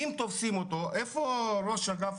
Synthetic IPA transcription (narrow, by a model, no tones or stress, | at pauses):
imt̪ofsimot̪oɛfoɾɔʃaɡaf